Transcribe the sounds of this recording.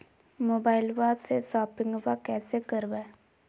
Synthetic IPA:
moːbaːɪlʋasesaːpɪ̃ŋɡʋakɛːsekəɾbeː

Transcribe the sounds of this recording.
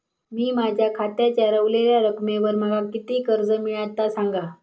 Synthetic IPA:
miːmad͡ʑʱjakʰat̪jat͡ɕaɾəʋleljaɾəkmeʋəɾm̤əɡakit̪iːkəɾd͡zəmiɭat̪asaŋɡa

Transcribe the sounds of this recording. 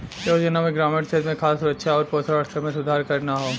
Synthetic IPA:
joːd͡ʒənamẽɡɾaːmẽʈseːd̪mẽkʰaːsʊɾəkʃʰaɔːɾpoːsʰɾaːɾt̪əmẽsʊd̪ʱaːɾkɐɾnaɦoː

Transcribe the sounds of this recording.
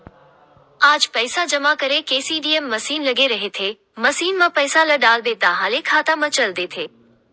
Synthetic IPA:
aːd͡ʒpəɪsad͡ʒɐmakɐɾekeːsiːɖiːemːɐsiːnlɐɡeɾɐɦet̪ʰeː | mɐsiːnmãpɐɪsalɐɖaːld̪et̪aɦaːlekʰaːt̪amɐ̃t͡ʃɐld̪eːt̪ʰeː

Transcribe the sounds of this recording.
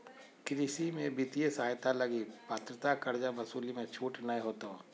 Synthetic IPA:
kɾisimẽbɪt̪ijesaaːjt̪alɐɡipaːt̪ɾət̪akɐɾd͡ʒabɐsuːlimẽt͡ʃʰuːʈnəẽɦoːt̪o

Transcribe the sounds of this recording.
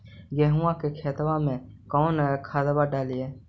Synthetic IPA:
ɡeːɦũãkekʰeːt̪ʋãmẽkɔːnkʰaːd̪baɖaːlijeː

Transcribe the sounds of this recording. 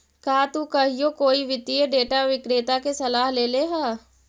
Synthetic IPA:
kaːt̪ukɐɦijokoːiʋɪd̪ieɖeːʈaʋɪkɾeːt̪akesɐlaːɦleːleɦaː

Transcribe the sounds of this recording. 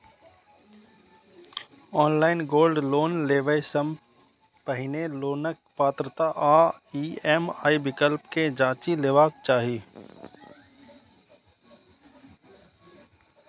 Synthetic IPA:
ɔːnlaːɪnɡoːlɖloːnleːʋəjsəm | pəɦɪneloːnək̚paːt̪ɾət̪aʔaːiːɛːmaːibɪkəlpked͡ʒaːt͡ʃileːʋaːk̚t͡ʃaːɦi

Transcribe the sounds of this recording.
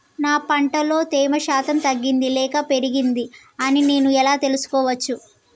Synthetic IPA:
naːpɐɳʈɐlo̞ːt̪ɛːmɐʃaːt̪ɐmt̪ɐɡːind̪ilɛːkɐpe̞ɾiɡind̪i | ɐnine̞ːnuɛlaːt̪e̞lusu̥kɔːʋɐt͡ʃːu

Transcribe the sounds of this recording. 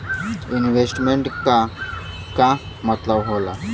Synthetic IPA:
inwesʈmeɳʈka | kã | mɐt̪labɦola

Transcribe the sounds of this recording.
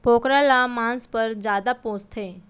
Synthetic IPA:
b̥ʱokɾalamãnspəɾd͡ʒjaːd̪apõst̪ʰee

